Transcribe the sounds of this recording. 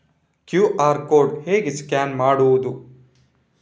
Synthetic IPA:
kjuːʔaːɾkoːɖheːɡiskʲaːnmaːɽuʋd̪u

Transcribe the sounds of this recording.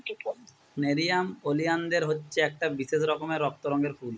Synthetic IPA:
meɾijamolijand̪eɾɦotːɕʰeɛk̚ʈabiʃeʃɾɔkomeɾːɔk̚t̪oɾɔŋɡeɾfʰul

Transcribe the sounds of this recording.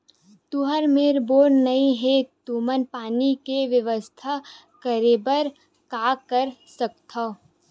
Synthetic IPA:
t̪uɦəɾmeːɾboːɽnɐĩɦet̪uːmənpaːnikeʋjəʋəst̪ʰa | kəɾeːbəɾ | kaːkəɾsəkt̪ʰa

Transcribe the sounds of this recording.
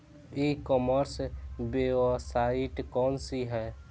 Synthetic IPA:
ikɔməɾsbesaɪʈkɔːnsiɦɛː

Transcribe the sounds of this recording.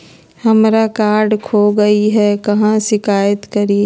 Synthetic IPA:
hɐmɾakaːɾɖkʰoːɡɐiɦɛkɐɦãʃɪkaːjət̪kɐɾi

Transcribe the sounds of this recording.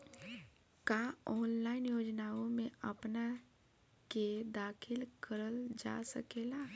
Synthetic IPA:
kaɔːnlaːɪnjoːd͡ʒnaːõmẽəpna | ked̪aːkʰɪlkəɾəld͡ʒa̰sə̰keːla

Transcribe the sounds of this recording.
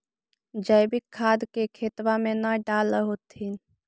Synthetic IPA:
d͡ʒəjbɪkʰːad̪kekʰeːt̪wamenəɖaləɦot̪in

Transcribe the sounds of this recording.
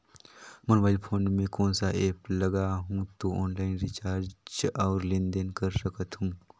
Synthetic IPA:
mənobajlpʰoːnmẽkõːnsaʔeːpləɡaɦũt̪oɔːnlaɪnɾit͡ʃaːɾd͡ʒaːɾlind̪enkəɾsəkət̪ɦũ

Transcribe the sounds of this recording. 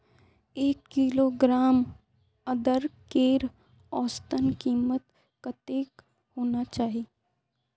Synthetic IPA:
eːkːiloːɡɾaːm | ɐd̪əɾkeːɾ | ɔːst̪ənkiːmət̪ | kat̪eːk | hoːnat͡ʃaːɦieː

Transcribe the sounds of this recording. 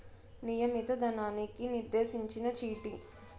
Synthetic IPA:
nijɐmit̪ɐd̪ɐnaːnikiniɾd̪e̞ːsiɲt͡ʃinɐt͡ʃiːʈi

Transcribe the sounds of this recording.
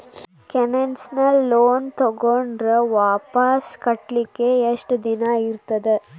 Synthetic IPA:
kɛnɛnsnɐlːoːnt̪ɔɣoɳɖrɐʋaːpaːskɐʈlikːeːeʂʈd̪ɪnaːjɪɾɯt̪ːɐðɯ

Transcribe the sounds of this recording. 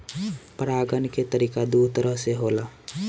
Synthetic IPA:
pəɾaːɡənket̪əɾiːkad̪ut̪əɾəɦseɦola

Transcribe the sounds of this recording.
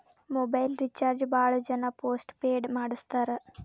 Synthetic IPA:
moːbɐjlɾit͡ʃaːɾd͡ʒbaːɭud͡ʒɐnɐpoːsʈpeːɖmaːɽust̪aːɾe

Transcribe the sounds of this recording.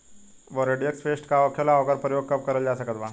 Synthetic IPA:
ʋəɾeɖieksfesʈkaʋəkʰjalaːʋɡəɾpɾjoɡ̚kəp̚kəɾəld͡ʑasəkət̪ʋã

